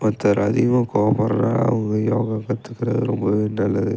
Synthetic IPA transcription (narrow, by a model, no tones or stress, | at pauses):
mɐt̪ːɐɾʔɐðimɐkoːpɐɾɐna̰ɐ̰ʋɐŋɡɐjoːɣɐkɐt̪ːɯkːɪɾɐðɯɾɔmbɐʋenːɐlːɐðɯ